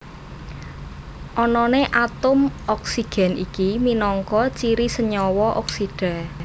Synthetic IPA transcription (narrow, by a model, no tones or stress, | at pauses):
ʔɔnɔneʔat̪ʊmʔɔksiɡ̥ɛ̤nikiminɔŋkɔt͡ʃiɾisəɲɔwɔʔɔksiɖ̥a̤